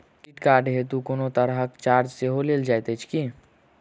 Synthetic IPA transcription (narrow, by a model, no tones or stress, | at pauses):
kiʈkaːɾɖɦet̪ukonot̪əɾɦəkt͡ʃaːɾd͡ʒseɦoleːld͡ʒajt̪et͡ʃʰki